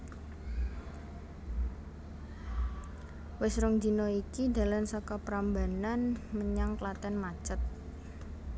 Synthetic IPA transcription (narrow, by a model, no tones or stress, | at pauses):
wɪsɾʊŋd͡ʒinɔikid̪a̤lansakapɾambananməɲaŋklat̪ɛnmat͡ʃət̪̚